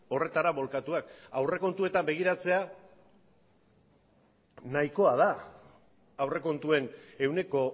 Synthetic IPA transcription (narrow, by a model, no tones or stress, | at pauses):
o̞re̞t̪aɾaβo̞lkat̪uakawre̞ko̞nt̪ue̞t̪ambe̞ɣ̞iɾat͡se̞a | najko̞að̞a | awre̞ko̞nt̪ue̞ne̞wne̞ko̞